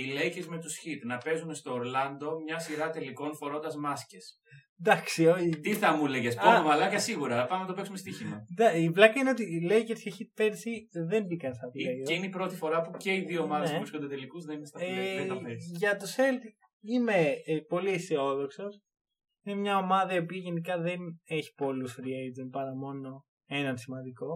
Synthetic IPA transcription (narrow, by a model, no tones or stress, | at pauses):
ilejcezme̞t̪usçit̪nɐpe̞zunst̪o̞ːɾlɐnd̪o̞mɲɐsiɾɐt̪e̞liko̞nfo̞ɾo̞nd̪ɐzmɐsces | nd̪ɐksiot̪iθɐmuleʝesponomɐlɐkɐsiɣuɾɐpɐmenɐt̪opeksumest̪içimɐd̪ɐivlɐkɐineo̞t̪ilejceɾsceçit̪̚pensiðe̞mbikɐnst̪ɐvleoineipɾo̞t̪ifo̞ɾɐpuce̞iðioːmɐðesuvɾisko̞nd̪et̪e̞likuznɐimest̪ɐeɐeɾʝɐt̪ose̞ld̪ | ime̞po̞liiseo̞ðo̞kso̞s | inemɲɐo̞mɐðɐiopiɐʝe̞nikɐðe̞ne̞çi̥po̞lusɾiejt̪onpɐɾɐmo̞no̞ | e̞nɐnsimɐnd̪iko̞